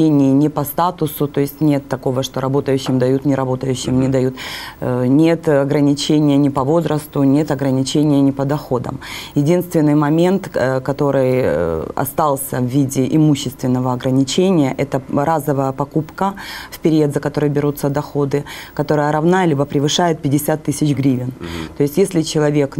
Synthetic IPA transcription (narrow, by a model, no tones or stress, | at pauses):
enʲɪːnʲɪpɐst̪at̪ʊsʊt̪o̞ɪsʲtʲnʲe̞t̪ːɐko̞vəʂt̪o̞ɾɐbo̞t̪əjʉɕːɪmd̪ɐjut̪nʲɪɾɐbo̞t̪əjʉɕːɪmnʲɪd̪ɐjut̪ | nʲe̞t̪ɐɡɾənʲɪt͡ɕenʲɪjənʲɪpɐvo̞zɾəst̪ʊnʲe̞t̪ɐɡɾənʲɪt͡ɕenʲɪjənʲɪpəd̪ɐxo̞d̪ə̰mjɪdʲinst̪vʲɪnːɨjmɐmʲe̞nt̪kɐt̪o̞ɾɨjɐ̰st̪alˠsʲəvːʲidʲɪʔɪmuɕːɪst̪vʲɪnːəvəɐɡɾənʲɪt͡ɕenʲɪjəʔɛt̪əɾazəvəjəpɐkupkəfpʲɪɾʲed̪zəkɐt̪o̞ɾɨjbʲɪɾut̪sːəd̪ɐxo̞d̪ɨkɐt̪o̞ɾəjəɾɐvnalʲibəpɾʲɪvɨʂajɪt̪̚pʲɪdʲɪsʲat̪ːɨsʲɪt͡ɕɡɾʲivʲɪnt̪o̞ɪsʲtʲjesʲlʲɪt͡ɕɪlˠɐvʲe̞k